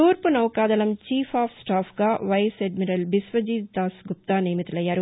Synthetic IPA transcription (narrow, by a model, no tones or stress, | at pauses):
t̪uːɾpunɐwkaːd̪ɐlɐmt͡ʃiːpʰaːpʰsʈaːpʰɡaːʋɐjseɖmiɾɐlbisʋɐd͡ʒiːt̪aːsɡup̚t̪aːniːmit̪ulɐjːaːɾu